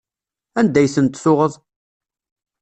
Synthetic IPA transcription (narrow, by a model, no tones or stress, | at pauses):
ænd̪æjθənt̪sʊʁəðˤ